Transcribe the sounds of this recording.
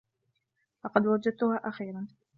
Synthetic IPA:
lɑqɑd̪wad͡ʒad̪̚t̪ʊhaːʔaxiːɾan

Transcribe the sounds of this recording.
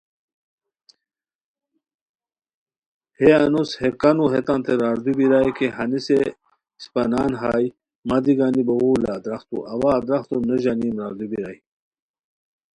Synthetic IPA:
heɐnushekɐnuɦet̪ant̪eɾaːɾd̪ubiɾaːjkeɦɐnise | spɐnaːnɦaːj | mad̪iɡaːnibɐwuːlaːd̪ɾɐxt̪ṵʔɐwaːd̪ɾɐxt̪uneʑaniːmɾaːɾd̪ubiɾa̰ːj

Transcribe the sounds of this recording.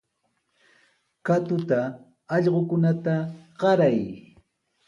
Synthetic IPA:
kat̪ʊt̪aː | ʎɢokʊnat̪aɢɑɾaj

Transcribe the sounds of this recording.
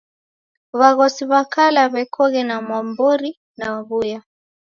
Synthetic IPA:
βaɣɔsiβakalaβɛkʰɔɣɛnamwambɔɾi | nawaβuja

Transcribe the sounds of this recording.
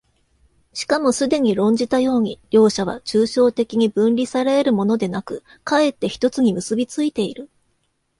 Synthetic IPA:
ɕi̥kamo̞sɨd̪e̞ɲ̟iɾõ̞ɲ̟d͡ʑit̪ajo̞ːɲ̟iɾʲo̞ːɕaβ̞a̰t͡ɕɨːɕo̞ːt̪e̞kʲiɲ̟ibɯ̟̃nɾʲisaɾaeɾɯ̟mo̞no̞d̪e̞nakɯ̟ | kae̞t̪ːe̞çi̥t̪o̞t͡sɨɲ̟imɯ̟sɨbʲit͡sɨit̪e̞iɾɯ̟

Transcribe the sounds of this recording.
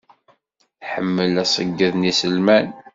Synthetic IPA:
ħəmːəlæsˤəɡːæðnisəlmæn

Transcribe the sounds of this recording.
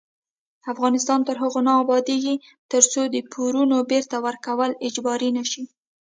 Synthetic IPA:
afɣɑnɪs̬t̪ɑnt̪əɾɦəɣonɑːbɑd̪eɡi | t̪əɾt͡sod̪əpʰuɾunobeɾt̪awəɾkawəlɪd͡ʒbɑɾinaʃi

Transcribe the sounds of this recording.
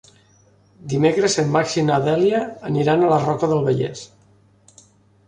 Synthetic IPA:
d̪imekɾəzəmːaksinaðɛljəːniɾanələrɔkəðəlˠβəʎɛ̰s

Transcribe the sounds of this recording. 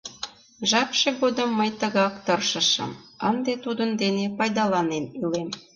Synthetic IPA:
ʒɑpʃeɣod̪əmːəjt̪əɣɑkt̪ərʃəʃə̰mənd̪et̪ud̪ənd̪enepɑjd̪ɑlɑnenilem

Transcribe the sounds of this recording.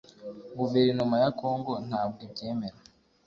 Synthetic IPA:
ɡuveɾinumajako̞ːŋɡo̞n̥haːb̚ɡebɟe̞ːmeɾa

